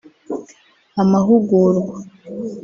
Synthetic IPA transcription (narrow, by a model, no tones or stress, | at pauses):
amaɦuɡuɾɡwa